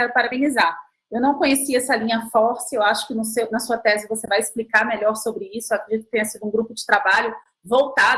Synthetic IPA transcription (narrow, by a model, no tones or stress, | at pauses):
ɛɾʊpaɾabẽniza | ewnɐ̃w̃kõɲesiɛsɐlĩɲɐfɔɾsɪewaʃʊ̥kɪnʊsewnɐsuɐt̪ɛzɪvosevajɪsplikaɾmeʎɔɾsobɾɪisʊewakɾed͡ʒit̪ʊk̚ɪt̪ẽɲ̃ɐsid̪ʊũɡɾupʊd͡ʒɪt̪ɾabaʎʊ | vowt̪a